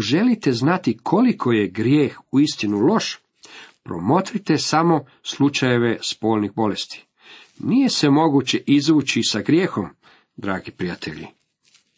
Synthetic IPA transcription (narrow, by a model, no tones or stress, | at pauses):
oʒe̞lit̪e̞znat̪ikʰo̞likʰo̞je̞ɡɾjeːxuist̪inulo̞ʃ | pɾo̞̰mo̞t̪ɾit̪e̞samo̞ | slˠut͡ʃaje̞ʋe̞spo̞ːlnixbo̞le̞st̪i̥ | nije̞sʋemo̞ɡut͡ɕe̞ʔizʋuːt͡ɕisaɡɾje̞ːxo̞m | d̪ɾaːɡipɾijat̪ʰe̞̰ʎḭ